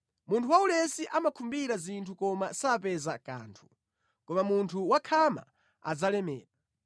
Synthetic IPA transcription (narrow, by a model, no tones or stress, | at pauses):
muntʰuwaulɛsiʔamakʰumbiɾazintʰukɔmasapɛzaka̰ːntʰu̥ | kɔmamuntʰuwakʰama̰ | a̰d͡zalɛmɛ̰ːɾa